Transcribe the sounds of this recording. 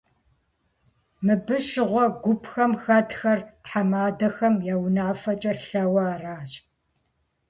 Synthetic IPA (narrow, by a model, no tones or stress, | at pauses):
mɨbɨʃɪʁʷɔɡʷʊpʰxɐmxɐtxɐrtħamaːdɐxɐmjawnaːfɐt͡ʃʼɐɬɐwɐaːraːɕʼ